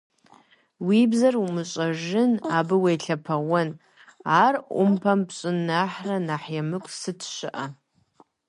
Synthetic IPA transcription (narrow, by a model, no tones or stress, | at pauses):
wibzarumɨɕʷʼaʒɪnabɨwejɬʰapʰawʊn | arʷʊ̰mpʰampɕʷʼʊnːaħranaħjamɨkʷʼsɨtʰʃʷɨ̰ʔa